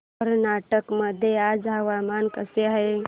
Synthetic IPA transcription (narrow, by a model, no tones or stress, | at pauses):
əɾnaːʈəkməd̪ʱjead͡ʒɦəʋamankəseɦəj